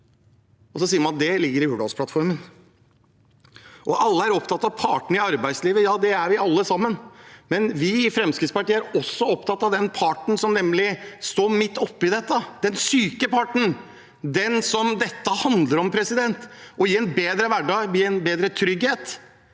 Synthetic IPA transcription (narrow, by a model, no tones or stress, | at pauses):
ɔsɔsiːəɾmɑnɑt̪d̪ɛlɪɡːəɾɪuːɖɑ̰lspʰlɑt̪fɔɾmən | ʔɔʔɑlːəæɾɔpt̪ɑt̪ːɑʋpʰɑʈɳ̩ɪɑɾbæɪd̪sliːʋəjɑːd̪ɛæɾʋɪɑlːəsɑmːənmɛnʋɪɪfɾɛmskɾɪt̪spɑʈiːəæɾɔsːɔɔpt̪ɑt̪ːɑʋd̪ɛnpʰɑʈɳ̩sɔmnɛmːlɪst̪oːmɪt̪ːɔpːɪd̪ɛt̪ːəd̪̥ɛnsyːkəpɑʈɳ̩ | d̪ɛnsɔmd̪ɛt̪ːəhɑnd̪ləɾɔmpʰɾɛsɪd̪ɛnt̪ɔjɪɾɛnbeːd̪ɾəʋæɖɑːɡbiɛnbeːd̪ɾət̪ʰɾʏɡheːt̪